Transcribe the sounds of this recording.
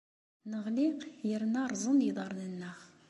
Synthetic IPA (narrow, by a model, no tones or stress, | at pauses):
nəʁliqjəɾnɑɾzənid̪ɑɾnənːɑχ